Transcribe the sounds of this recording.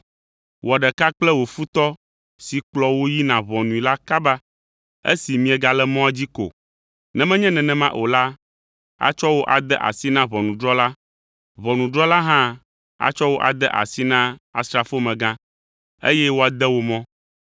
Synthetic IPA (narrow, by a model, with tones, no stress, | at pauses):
wʔo˨a˨ɖɛ˨ka˦k͡plɛ˦wo˨fu˦t̪ɔ˦ | si˨k͡plɔ˨wo˦ji˦nã˨βɔ̃˨nũ˨i˨la˦ka˦ba˦ | ḛ˦si˨mĩ˦ɛ˨ɡa˨lɛ˦mɔ̃˦a˨d͡ʑi˦ko̰˨ | nɛ̃˨mɛ̃˦ɲɛ̃˦nɛ̃˨nɛ̃˨mã˦ʔo˨la˦ | a̰˨t͡ʃɔ˦wo˦ʔa˨d̪ɛ˦ʔa̰˨si˦nã˦βɔ̃˨nũ˨ɖɾɔ˦la˦ | βɔ˨nũ˨ɖɾɔ˦la˦ɦã˦ | a̰˨t͡ʃɔ˦wo˦ʔa̰˨d̪ɛ˦ʔa̰˨si˦nã˦a̰˨st̪ɾa˨fo˦mɛ̃˨ɡã˦ | ḛ˦jɛ˦wo˦a˨d̪ɛ˦wo˨mɔ̃˦